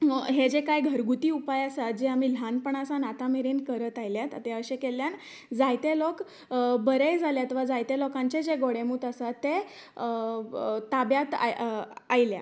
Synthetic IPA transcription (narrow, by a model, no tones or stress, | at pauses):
ɦed͡ʑekajɡʱəɾɡut̪iːupajasat̪̚d͡ʑeam̤iːl̤ʱanpəɳasanat̪ameɾenkəɾət̪ajljat̪at̪eəɕẽkeljan | d͡zajt̪elok | bəɾejd͡zʱaljat̪ʋad͡zajt̪elɔkãɲt͡ɕed͡ʑeɡoɽemuːt̪asat̪ːe | t̪abjat̪a̰ajlja̰